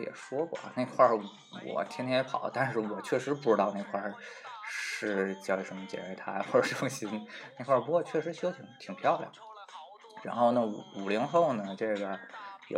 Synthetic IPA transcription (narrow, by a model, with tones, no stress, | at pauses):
jɛ̰˨˩ʂwɔ˥kwɔ̰˥˩ne˥˧ɪkʰwa˥˩ | wɔ̰˨˩t̪ʰi˥ŋt̪ʰjɛ˥jɛ˧˥pʰɑ˨˩˦ʊt̪a˥˧nʂɻ̩˥˩wɔ˨˩t͡ɕʰɥɛ˥˩ʂɻ̩˧˥pu˥˩ʈ͡ʂɻ̩˥t̪ɑ˥˧ʊne˥˧˩ɪkʰwa˥˧˩ | ʂɻ̩˥˩t͡ɕjɑ˥˧ʊji˧˩ʂə˧˥mə˧˩t͡ɕjɛ̰˨˩nɻə˧˥˩t̪ʰa˧˥ɪxwɔ˥˩ʈ͡ʂə˨˩ʈ͡ʂə˥˩ʈ͡ʂʊ˧˩ŋɕi˧˥nne˥˩ɪkʰwa˥˩pu˥kwɔ˥˧t͡ɕʰɥɛ˥˩ʂ̬ɻ̩˧˥ɕy˥ʊt̪ʰi˨˩ŋt̪ʰi˨˩ŋpʰjɑ˥˧ʊljɑ̰˨˩˦ | ɻa̰˧˥nxo˥˩ʊnə˩˧˩u˨˩li˧˥ŋxo˥˩ʊnə˩ʈ͡ʂɤ˥˩ɡə˩jo̰˨˧˩